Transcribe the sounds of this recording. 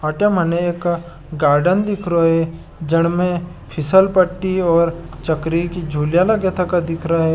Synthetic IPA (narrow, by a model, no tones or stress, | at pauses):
ɐʈemɐneeːk | ɡaːɾɖənd̪ɪkʰɾoɦe | d͡ʒɐɽ̃mẽ | pʰɪsəlpəʈːiɔːɾt͡ʃɐkɾikid͡ʒʱuːljalɐɡet̪ʰɐkad̪ɪkʰɾaɦe